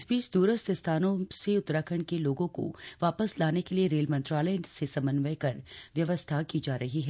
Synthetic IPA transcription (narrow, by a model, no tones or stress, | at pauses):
sbiːt͡ʃd̪uːɾəst̪ʰɪst̪ʰaːnõseʊt̪ːɾakʰəɳ̃keloːɡõko̰ʋaːpəslaːnekelieɾeːlmɐ̃nt̪ɾaːləjsesɐ̃mənʋəjkɐɾʋjɐʋəst̪ʰakiːd͡ʒaːɾɐɦiɦɛː